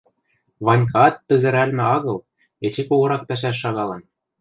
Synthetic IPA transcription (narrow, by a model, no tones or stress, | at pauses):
βɑnʲk̬ɑt̪ːɘ̆zɘ̆ɾælmɘ̆ɑɣɤ̆lˠ | et͡ɕĕkoɣɤ̆ɾɑk̚p̪æʃ̬æʃ̬ːɑɣɑlɤ̆n